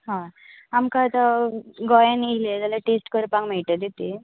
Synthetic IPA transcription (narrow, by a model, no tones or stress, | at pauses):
ɦã | amkaːt̪aɡɔjaniled͡zalaʈesʈkəɾpãŋm̤ɛɭʈəd̪it̪i